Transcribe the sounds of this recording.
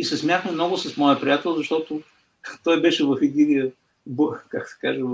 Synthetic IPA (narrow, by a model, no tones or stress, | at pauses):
isɛsmʲjat̪nɛmnɔɡʊsɐsmɔjəpɾijat̪ɛlˠzɐʃt̪ɔt̪ʊ | t̪ɔjbɛʃɛvɐfɛd̪inijə | bkaksɛ̥kaʒɛ